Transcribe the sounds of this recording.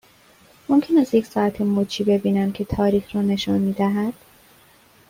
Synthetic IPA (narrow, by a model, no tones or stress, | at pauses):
mo̞mcʰe̞næst̪jecʲsɒːæt̪ʰemot͡ʃʰiːbe̞biːnænd̪cʰe̞t̪ʰɒːɾiːxɾɒːne̞ʃɒnmiːd̪æɦæd̪̥